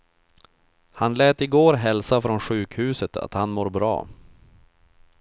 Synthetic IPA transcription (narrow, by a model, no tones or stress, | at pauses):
hanlɛːt̪ɪɡoːɾɦɛlsafɾɔnɧʉ̟ːkhʉ̟ːsət̪ʰa̰t̪hanmoːɾbɾɑ̰ː